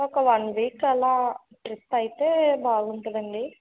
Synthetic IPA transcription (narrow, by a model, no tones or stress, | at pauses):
ɔkɐʋɐnʋiːkɛlaː | ʈɾistɐjit̪eːbaːɡuɳʈud̪ɐɳɖi